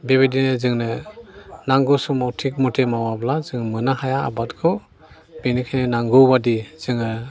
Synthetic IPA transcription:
bebedinɯzɯŋnɯ | naŋɡɯsɔmawtʰik̚mɔtʰemawablazɯŋmɯnahajaa̰batkʰɯ | binikʰajnenaŋɡɯbadiz̥ɯŋɯ

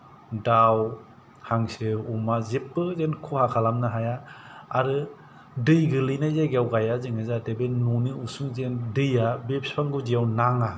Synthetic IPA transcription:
daw | haŋsɯumazepːɯzenkʰohakʰalamnaɦajaːɾɯ | dɯjɡɯlɯjnajzaɡewɡajazɯŋɯzatebenuniusuŋzendɯjabep̚spʰaŋɡuzijawnaŋa

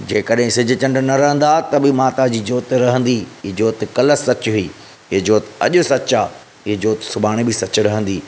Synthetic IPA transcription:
d͡ʑeːkəɗɦɪ̃sɪd͡ʑʱɪ̆t͡ɕɐ̃ɳɖnɐɾɐɦə̃nd̪at̪ɐbɪmaːt̪ad͡ʑiːd͡ʑoːt̪ɾɐɦə̃nd̪iːd͡ʑoːt̪kɐləsːɐt͡ɕɦiː | ɪɦd͡ʑoːt̪ɐ̰ʄʊ̆sɐt͡ɕaː | ɪɦd͡ʑoːt̪sʊbaːɽ̃ibɪsɐt͡ɕɪ̆ɾɐɦə̃n̆d̪iː

